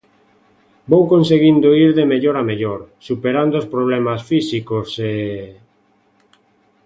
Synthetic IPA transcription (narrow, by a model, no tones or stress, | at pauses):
bowkonseɣind̪oiɾðemeʎoɾameʎoɾsupeɾand̪ospɾoβ̞lɛmasfisikose